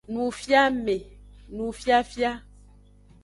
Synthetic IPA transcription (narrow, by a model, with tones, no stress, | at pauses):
nũ˨fja˦me˨nũ˨fja˦fja˦